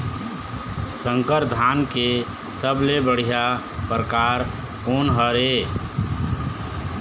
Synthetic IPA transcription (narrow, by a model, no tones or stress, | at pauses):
sə̃ŋkəɾd̪ʱaːnke | səblebəɽ̤ija | pɾəkaːɾ | koːnɦəɾe